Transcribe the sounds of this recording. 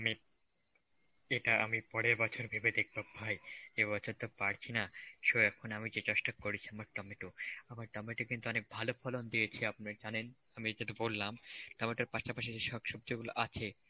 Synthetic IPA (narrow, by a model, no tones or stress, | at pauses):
ami | eʈaʔamipɔɽeɾbɔt͡ɕʰoɾbʱibed̪ek̚bɔbʱːaeeβɔt͡ɕʰoɾt̪opaɾt͡ɕʰinaʃoɛkʰonamid͡ʑet͡ɕɔʃʈakkːoɾit͡ɕʰiamaɾʈɔmeʈoamaɾʈɔmeʈekint̪uɔnek̚bʱalofʰɔlond̪iet͡ɕʰiapnaɾd͡ʑanen | amid͡ʑet̪̬obolːamʈɔmeʈaɾpaʃapaʃeeʃɔbʃɔb̚d͡ʑoɡuloʔat͡ɕʰe